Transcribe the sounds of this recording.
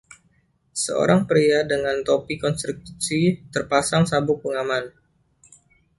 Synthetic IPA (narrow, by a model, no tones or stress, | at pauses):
səo̰ɾaŋpɾiadəŋant̪opikɔnst̪ɾuk̚sit̪ərpasaŋsabʊk̚pəŋaman